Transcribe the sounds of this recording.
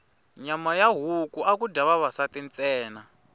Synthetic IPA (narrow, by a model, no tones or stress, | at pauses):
ɲamajaɦukuʔakudaβaβasatint͡sʼɛːna